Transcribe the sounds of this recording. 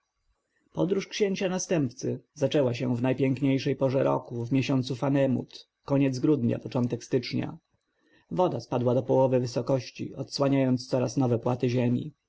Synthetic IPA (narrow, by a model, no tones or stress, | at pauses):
pɔd̪ɾuʂkɕeɲt͡ɕanast̪ɛmpt̪sɘzat͡ʂɛwaɕɛvnajpʲjɛŋkɲejʂɛjpɔʐɛɾɔ̰kuvmʲjeɕɔnt̪sufanɛmṵt̪ | kɔɲɛd̪zɡɾud̪ɲa̰pɔt͡ʂɔnt̪ɛkst̪ɘt͡ʂɲa̰ | vɔd̪aspad̪wad̪ɔpɔwɔvɘvɘsɔkɔɕt͡ɕḭɔt̪swaɲajɔnt̪st̪sɔɾasnɔvɛpwat̪ɘʑemʲḭ